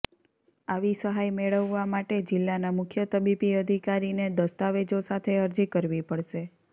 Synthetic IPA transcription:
aʋisəɦajmeɭəʋːamaʈed͡ʒɪlːanamʊkʰjət̪əbipiəd̪ʱikaɾined̪əst̪aʋed͡ʒosat̪ʰeəɾd͡ʒikəɾʋipəɭʃe

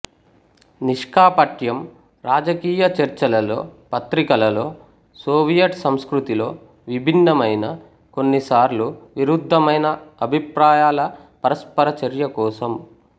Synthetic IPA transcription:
niʂkaːpɐʈjɐm | ɾaːd͡ʒɐkiːjɐt͡ʃɐɾt͡ʃɐlɐlo̞̰ːpɐt̪ɾikɐlɐlo̞ː | soːʋijɐʈsɐmskɾut̪ilo̞ː | ʋibʱinːɐmɐjnɐ | ko̞nːisaːɾluʋiɾud̪ʱːɐmɐjnɐɐbʱipɾaːjaːlɐpɐɾɐspɐɾɐt͡ʃɐɾjɐkɔːsɐm

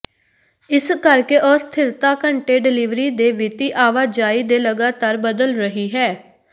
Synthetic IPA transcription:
ɪskəɾkeːʔɔːst̪ʰɪɾt̪aːkəɳʈeːɖɪlɪːʋɾiːd̪eːʋɪt̪iːʔaːʋaːd͡ʒaːiːd̪eːləɡaːt̪aːɾbəd̪əlɾəɦiːɦɛː

